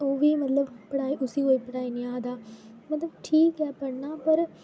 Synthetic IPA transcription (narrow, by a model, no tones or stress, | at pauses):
oːʋiːmɐt̪ləbpɐɽaːiːʔʊsiːɦoːiːpəɽaːiːnɪãːd̪aː | mɐt̪ləbʈʰiːkɦɛːpɐɽnãːpɐɾ